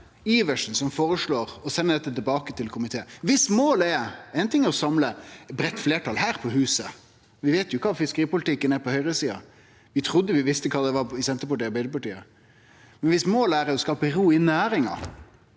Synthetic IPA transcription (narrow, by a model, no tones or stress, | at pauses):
iːʋəʂn̩sɔmfoːɾəʂɭoːɾɔsɛnːəd̪ɛt̪ːət̪ɪlbɑːkət̪ʰɪlkʰʊmɪt̪ʰeːəʋɪsmoːlɛɛɪnt̪ʰɪŋːəɔsɑmləbɾɛt̪ːfleːʈʰɑlɦæːɾpʰɔhʉːsə | ʋɪʋeɪt̪jʊɪkʰɑːfɪskəɾiːpʊlɪt̪ʰɪkːənɛpɔhœʏɾəsiːɑ̰ | ʋɪt̪ʰɾʊd̪ːəʋɪʋɪst̪əkʰɑːd̪ɛʋɑɾɪsɛnt̪əpɑʈiːbɛɪəpɑʈiːə̰ | mɛnʋɪsmoːlæɾɛɔskɑːpəɾuːɪnæːɾɪŋɑ̰